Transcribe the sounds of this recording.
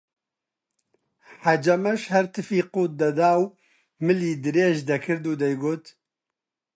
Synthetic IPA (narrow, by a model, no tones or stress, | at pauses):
ħad͡ʒɐmɐʃhɛɾt̪ʰɨfiːquːt̪̚d̪ɐd̪aːw | mɨliːd̪ɨɾeːʒd̪ɐkʰɨɾd̪uːd̪ɛjɡoːt̪